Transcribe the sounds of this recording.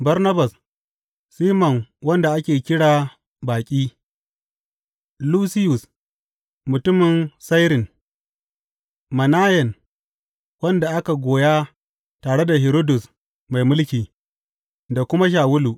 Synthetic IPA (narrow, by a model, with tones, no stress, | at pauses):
bɐ˦ɾnɐ˦ba˨s | siː˦mɐ˨nwɐ˦nda˨ʔa˦kʲeː˨kʲɪ˦ɽaː˨ | baː˨kʲʼiː˦ | luː˦sɪ˦jʊ˨s | mʊ˨tʊ˦mɪ˨nsa˦jɾɪ˨n | mɐ˨naː˦jɛ˨n | wɐ˦nda˨ʔa˦ka˨ɡʷoː˨jaː˦ | taː˨ɽe˦da˨ɦɪ˨ɾoː˦dʊ˨s | ma˨jmʊ˦lkʲiː˨ | da˨kʷʊ˦ma˦ʃ̬aː˨wʊ˦lu˨ʔ